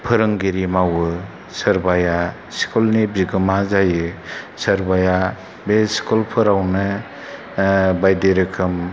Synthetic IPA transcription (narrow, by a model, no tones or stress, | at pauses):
pʰɯɾɯŋɡiɾimawɯ | sɐɾbaja | si̥kʰulnibiɡɯmazajɯsɐɾbaja | besi̥kʰulpʰɯɾawnɯ | bajdeɾɯkʰɯm